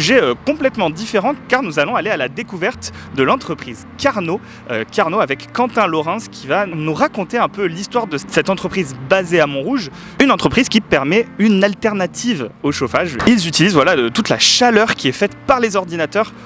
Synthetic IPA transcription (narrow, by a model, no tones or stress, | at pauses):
yʒɛøkɔ̃plɛt̪mɑ̃d̪ifeʁɑ̃kaʁnuzalɔ̃alealad̪ekuvɛʁt̪ | d̪əlɑ̃t̪χəpχiz | kaʁno | økaʁnoavɛkːɑ̃t̪ɛ̃lɔʁɑ̃skʲʰivanuʁakɔ̃t̪eɛ̃pølist̪waʁd̪əsɛt̪ɑ̃t̪χəpχizbazeamɔ̃ʁuʒ | ynɑ̃t̪χəpχiz̥kʲipɛʁmɛynalt̪ɛʁnat̪ʰivoʃofaʒilzyt̪ilizvwalat̪ut̪la̰ʃalœʁkʲiɛfɛt̪paʁlezɔʁd̪inat̪œʁ